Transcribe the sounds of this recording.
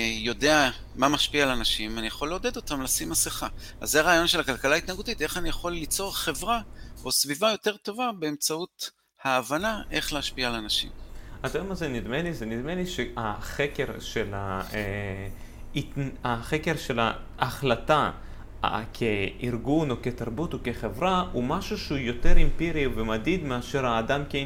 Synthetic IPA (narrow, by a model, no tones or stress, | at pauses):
jo̞de̞a | mamaʃpiaːlanaʃimanijaχo̞le̞od̪e̞d̪o̞tamlasimhasiχa | a̰zːeaʁaːjo̞nʃe̞lakalkalait̪naɡut̪ite̞χanijaχo̞lːit͡so̞ʁχe̞vʁao̞svivajo̞te̞ʁt̪o̞vabe̞emt͡saut | haːvanaʔe̞χleaʃpiaːlanaʃḭmat̪oemazenid̪melizenid̪meliʃeaχeke̞ʁʃela | itnaχeke̞ʁʃe̞la̰ː | χlat̪a | kʰeiʁɡuno̞ket̪aʁbut̪oke̞χe̞vʁahumaʃuʃeujo̞t̪e̞ʁimpiʁivemad̪id̪meaʃe̞ʁhaːd̪amke